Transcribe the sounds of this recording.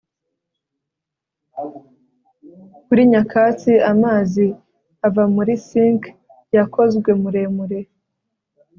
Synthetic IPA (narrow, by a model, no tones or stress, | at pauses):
kuɾiɲakaːt͡siamaːzi | avamuɾisiːŋk | jakʰo̞zɡwe̞muɾe̞ːmuɾe̞